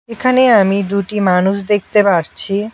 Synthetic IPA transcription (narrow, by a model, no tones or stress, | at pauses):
ekʰaneamid̪uʈimanuʃd̪ek̚ʰt̪epaɾt͡ɕʰi